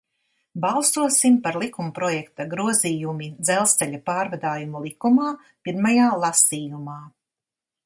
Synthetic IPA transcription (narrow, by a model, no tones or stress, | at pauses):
balˠsuɔsimpaɾlˠikumpɾɔjɛkt̪aɡɾuɔziːjumid̪zɛlˠst̪sɛʎʲapaːɾvad̪aːjumulˠikumaː | piɾmajaːlˠasiːjumaː